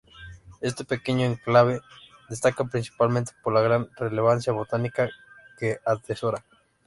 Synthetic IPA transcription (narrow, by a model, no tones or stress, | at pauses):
e̞s̬t̪epekeɲoeŋklaβe | ðest̪akapɾinsi̥palmẽnt̪e̥poɾlaɣɾanreleβ̞ansjaβo̞t̪anikakeat̪esoɾa